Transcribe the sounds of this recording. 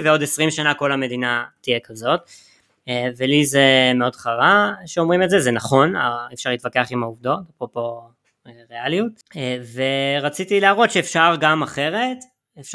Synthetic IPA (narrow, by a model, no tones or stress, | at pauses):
veo̞desʁimʃanako̞lame̞dinatijekazo̞t | velizemeo̞dχaʁaʃeo̞mʁimezezenaχo̞na̰efʃaʁlit̪vakeaχimauvdo̞tapʁopo̞ | eʁealiut̚ | eveʁat͡sitileaʁo̞t̪ʃeːfʃaʁɡamaχe̞ʁe̞t | ef